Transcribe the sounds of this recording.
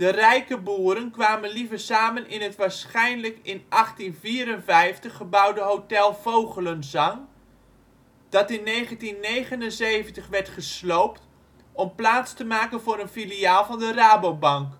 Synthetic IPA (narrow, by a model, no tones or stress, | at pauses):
d̥ərɛjkəbuːəɾənkʋaːmənlivərsaːmənʔɪnɦətʋaːɹsχɛjnləkɪnʔɑχtinviːɾənvɛjftəχːəbʌwdəɦowtɛlˠvowɣələnzɑŋ | d̥ɑtɪnːeːjχəntinːejχənənzejvəntəχʋɛɹtχəslowpt | ɔmplaːt͡stəmaːkənvʊːɾənfiliaːlˠvɑndəraːbowbɑŋk